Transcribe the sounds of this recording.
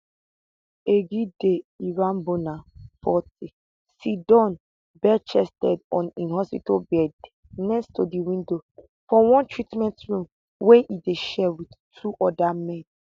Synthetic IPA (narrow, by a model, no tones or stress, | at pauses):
eɡideiɹambonafɔti | sidɔ̃n | bɛt͡ʃɛstɛdɔ̃nĩnɦɔspitolbɛd | nɛstodiwĩndo | fɔwɔ̃ntʰɹitmɛ̃ntɹũm | wɛ̃nʔideʃɛwidtʰuʔɔdamɛ̃n